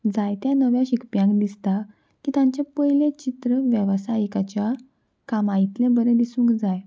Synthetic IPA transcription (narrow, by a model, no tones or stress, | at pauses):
d͡zajt̪janəʋjaɕikpjãŋkd̪ist̪a | kiːt̪ãɲt͡ɕapəjlẽt͡ɕit̪ɾəʋjəʋsajikat͡ɕja | kamait̪lẽbəɾẽd̪isũːŋkd͡zaj